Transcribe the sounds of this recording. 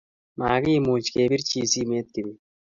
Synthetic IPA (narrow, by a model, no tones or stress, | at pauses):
maːɡiːmuːt͡ʃkeːbiɾt͡ʃʰiːsiːmeːt̪̚kibi